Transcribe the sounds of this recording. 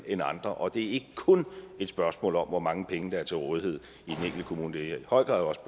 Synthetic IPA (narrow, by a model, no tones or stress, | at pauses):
enɑ̈nd̥ʁɐʔɒ̽d̥e̝æɐe̝ɡ̥əkʰɔ̽ne̝d̥sb̥ɶɐsmɔ̰̽ːlɒ̽mʋɒmɑ̈ŋəpʰeŋəd̥ɑ̈æɐt͡sʰe̝lʁɔ̽ːðihe̝ð̰ˠ | id̥en̩eŋ̰ɡld̥əkʰo̝muːnəd̥e̝ihɒ̽ɪ̰ɡ̥ɑ̈ðˠjɒ̽s